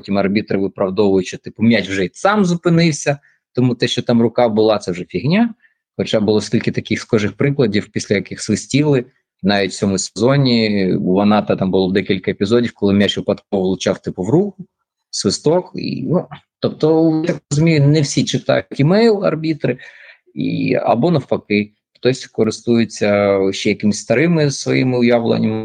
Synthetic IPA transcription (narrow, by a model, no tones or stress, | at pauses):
ppɔtʲimɐrbʲit̪ɾɪʋɪpɾɐwd̪ɔʋʊjʊt͡ʃɔt̪ɪpʊmʲjat͡ʃwʒɛsɑmzʊpɪnɪwsʲɐ | t̪ɔmut̪ɛʃt͡ʃɔt̪ɑmrʊkɑbʊlˠɑt̪sɛwʒɛpʲiɦnʲa | xɔt͡ʃabʊlˠɔsʲkʲilʲkɪt̪ɐkɪxskɔʒɪxpɾɪklˠɐdʲiwpʲisʲlʲɐjɐkɪxsʋɪsʲtʲilˠɪ | nɑʋʲitʲt͡sʲɔmʊsʲezɔnʲiuʋɐnɑt̪ɐt̪ɑmbʊlˠɔd̪ɛkʲilʲkɐepʲizɔdʲiwkɔlˠɪmʲat͡ʃʋɪpɐt̪kɔʋʋlˠʊt͡ʃɑwt̪ɪpʊwɾukʊ | sʋɪst̪ɔkḭnut̪ɔp̚t̪ɔj̪akrɔzʊmʲijʊnɛwsʲit͡ʃɪt̪ɑ̰jtʲimɛjlˠɐ̰rbʲit̪ɾɪ | ḭɐ̰bɔnɐwpɐkɪ | xt̪ɔsʲkɔɾɪst̪ujʊt͡sʲːɐʃt͡ʃɛjɐkɪmɪsʲst̪ɐɾɪmɪsʋɔjimɪʊjaʋlˠɐ̰nʲːɐmɪ